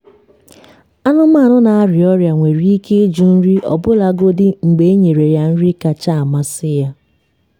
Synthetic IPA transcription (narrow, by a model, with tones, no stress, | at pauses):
a˦nʊ˦m̩a˦˨nʊ˦na˨a˦ɾɪ˨ɔ˦ɾja˨ŋʷe˨ɾi˦i˦ke˦d͡ʒu˨n̩˦ɾi˦ʔɔ̰˨bʊ˦la˨ɡo˦dɪ˦ŋ͡m̩˨ɡ͡be˨e˦ɲe˨ɾe˨ja˦n̩˦ɾi˦ka˨t͡ʃa˦a˨ma˦sɪ˦ja˦